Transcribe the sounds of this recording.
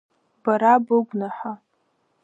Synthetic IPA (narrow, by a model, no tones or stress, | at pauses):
b̥aɾabɨɡʷnaħa